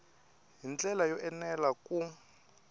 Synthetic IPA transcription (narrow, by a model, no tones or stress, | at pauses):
ɦint͡ɬʼɛlajɔʔɛnɛlakʼu